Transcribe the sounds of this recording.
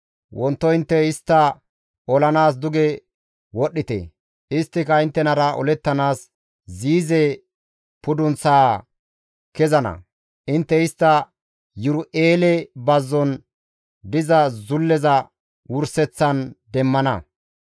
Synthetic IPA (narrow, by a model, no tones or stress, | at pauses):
wʔɔnt̪ːɔɪnt̪ːɛɪst̪ːɐ | ɔlɐnaːs̬d̪ʊɡɛ | wɔɗːɪt̪ɛ̰ | ɪst̪ːɪkɐɪnt̪ːɛnɐɾɐʔɔ̰lɛt̪ːɐnaːs | ziːzɛ | pʊd̪ʊnt͡saː | kɛzɐnɐ̰ | ʔɪnt̪ːɛɪst̪ːɐ | jʊɾʊʔeːlɛbɐzːɔn | d̪ɪzɐzʊlːɛzɐ | wʊɾsɛt͡sːɐnd̪ɛmːɐnɐ̰